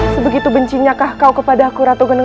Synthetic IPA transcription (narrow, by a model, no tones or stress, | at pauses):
səbəɡit̪ubəɲt͡ʃiɲakahkaukəpadakuɾat̪uɡənə